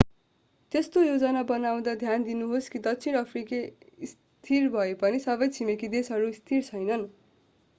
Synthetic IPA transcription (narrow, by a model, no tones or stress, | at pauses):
t̪est̪ojod͡zʌnabʌnaw̃d̪ʌd̪ʱjand̪inuɦoskid̪ʌkt͡sʰiɾʌpʰrikeis | t̪ʰirbʱʌepʌnisʌbʌjt͡sʰimekid̪esɦʌɾuist̪ʰirt͡sʰʌjnʌn